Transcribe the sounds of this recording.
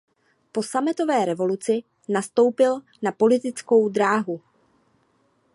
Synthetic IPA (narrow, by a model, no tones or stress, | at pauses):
po̞samɪt̪o̞vɛːɾɛvo̞lut͡sɪ | nast̪o̞wpɪl | napo̞lɪt̪ɪt͡sko̞wd̪ɾaːɦu